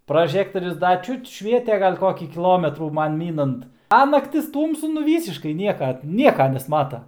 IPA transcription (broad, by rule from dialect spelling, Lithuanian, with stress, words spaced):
prɐˈʒʲæːktoːrʲʊs ˈdɐ ˈt͡ʃʲʊt ˈʃʲʋʲiɛtʲɛ ˈɡɐlʲ ˈkoːkʲiː kʲiːˈlˠoːmʲɛtruː ˈmɐn ˈmʲiːnɐnt ɐ nɐkˈtʲɪs ˈtuːmsʊ nʊ ˈʋʲiːsʲɪʃkɐɪ ˈnʲiɛkɐ ˈnʲiɛkɐ nʲɛsˈmɑːtɐ